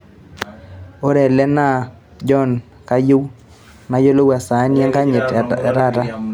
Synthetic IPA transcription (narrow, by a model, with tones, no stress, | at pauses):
o˦ɾɛ˨lɛ˦na˦ | d͡ʒɔ˦n | ka˦jʊ˦w | na˨jo˦lo˦wa˨sa˨˦njɛ˦ŋka˦ɲɪ˨tɛ˨ɾa˦˨ɾa˦